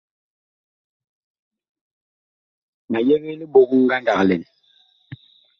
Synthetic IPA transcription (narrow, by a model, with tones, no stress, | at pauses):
ma˨jɛ˦ɣe˦li˦bo˨kŋ̩˦ɡa˦n˦da˨klɛ˨n